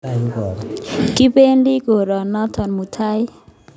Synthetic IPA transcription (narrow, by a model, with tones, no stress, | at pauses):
ki˦pe˦nɖi˦ɡo˨ɾɔ˨nɔ˦t̪ʰɔ˨nmu˨t̪ʰa˦j